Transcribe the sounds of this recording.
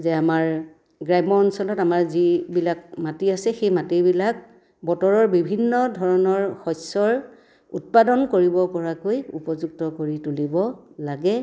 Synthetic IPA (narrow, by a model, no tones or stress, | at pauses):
zɛamaɹ | ɡɹajmɔɔnsɔlɔtamaɹzibilakmatiasɛxejmatibilak̚ | bɔtɔɹɔɹbibʱinːɔdʱɔɹɔnɔɹxɔjsɔɹ | ut̚padɔnkoɹibɔpɔɹakojṵpɔzuk̚tɔkoɹitulibɔlaɡɛ